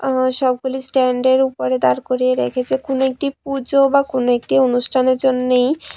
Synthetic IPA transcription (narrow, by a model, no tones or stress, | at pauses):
ʃɔb̚ɡulisʈɛɳɖeɾupoɾed̪aɾkoɾieɾḛkʰet͡ɕʰekonoek̚ʈip̚ud͡ʑobakonoek̚ʈionuʃʈʰaneɾd͡ʑonːej